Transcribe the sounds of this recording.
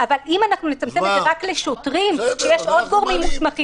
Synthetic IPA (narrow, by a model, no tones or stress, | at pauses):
avalimanaχnunet͡samt͡semezeʁakleʃotʁimʃejeʃod̪̚ɡo̞ʁmimːismaχi